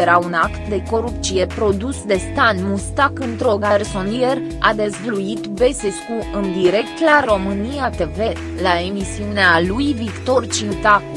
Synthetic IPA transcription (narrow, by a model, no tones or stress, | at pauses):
eɾaunakt̪d̪e̞ko̞ɾupt̪sije̞pɾo̞d̪usd̪e̞st̪anmust̪akɨnt̪ɾo̞ɡaɾsonier | ad̪e̞zvluit̪be̞seskuɨnd̪iɾe̞kt̪laɾo̞mɨniat̪e̞ve̞ | lae̞misiunealujvikt̪o̞rt͡ʃint̪a